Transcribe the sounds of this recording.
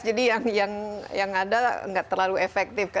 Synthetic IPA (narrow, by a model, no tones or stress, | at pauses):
d͡ʒadijaŋjaŋjaŋada̰ŋɡaʔt̪ərlaluefɛk̚t̪ɪfka